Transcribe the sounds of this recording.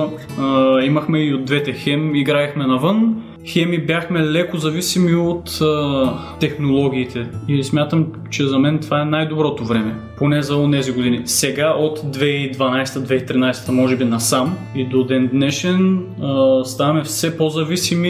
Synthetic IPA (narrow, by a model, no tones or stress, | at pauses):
imɐxmɛiod̪̚d̪vɛt̪ɛxɛmiɡɾaixmɛnɐvɤn | xɛmibjaxmɛlɛkozɐvisimiot̪ə | ɛxnolˠɔɡ̟ʲiːt̪ʰɛismʲjat̪əm | t͡ʃɛzɐmɛnt̪vaɛnajd̪obɾɔt̪ovɾɛmɛponɛzɐonɛziɡod̪inisɛɡaʔot̪d̪vɛid̪vɐnajsɛ̥t̪əd̪vɛit̪ɾinajsɛ̥t̪əmɔʒɛbinɐsam | id̪od̪ɛnd̪nɛʃɛn | st̪avɐmɛfsɛpozɐvisimi